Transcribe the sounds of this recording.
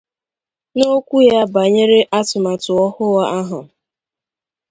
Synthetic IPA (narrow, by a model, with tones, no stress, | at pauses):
no˦kʷu˦ja˦ba˨ɲe˦ɾe˦ʔa˦tʊ˨ma˨tʊ˨ɔ˦hʊ˦wa˦a˦ɦʊ˨